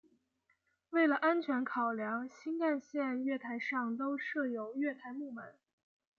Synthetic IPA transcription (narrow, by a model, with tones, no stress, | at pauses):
we˥˩ɪlə˩ʔa˥nt͡ɕʰɥɛ˧˥nkʰɑ˨˩ʊljɑ˧˥ŋɕi˥nk̪a˥˧nɕjɛ˥˧nɥɛ˥˩t̪ʰa˧˥ɪʂɑ˥˩ŋt̪o˥ʊʂɤ˥˩jo˧˥ʊɥɛ˥˩t̪ʰa˧˥ɪmu˥˩mə̰˨˩˦n